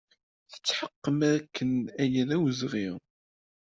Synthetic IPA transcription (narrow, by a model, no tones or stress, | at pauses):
θə̥t͡sːħəqːəmæɾækʰːənæjənæwzʁiʁ